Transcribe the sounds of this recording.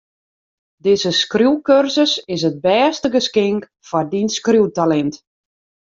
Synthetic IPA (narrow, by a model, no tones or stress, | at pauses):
dɪzəskruwkørsəsɪs̬ət̚bɛːstəɡəskɪŋk | fɔrdinskrjuwtalɛnt